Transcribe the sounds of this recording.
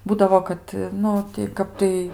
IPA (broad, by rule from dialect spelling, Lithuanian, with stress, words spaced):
ˈbuːdɐʋoː kɐt ˈnʊ tʲɪ ˈkɐp tɐɪ